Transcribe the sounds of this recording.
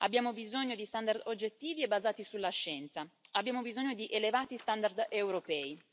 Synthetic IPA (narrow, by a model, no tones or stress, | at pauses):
abːjaːmobizoɲːod̪ist̪and̪ard̪od͡ʒːet̪ːiːviebːazaːt̪isulːaʃːɛnt̪saabːjaːmobizoɲːod̪iʔelevaːt̪ist̪and̪ard̪ewɾopɛːi